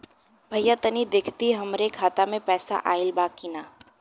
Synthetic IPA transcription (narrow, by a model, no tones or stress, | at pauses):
bʱɐjat̪ɐnid̪eːkʰt̪iɦɐmɾekʰaːt̪amẽpɛːsa̰ʔaːɪlbaːkːinaː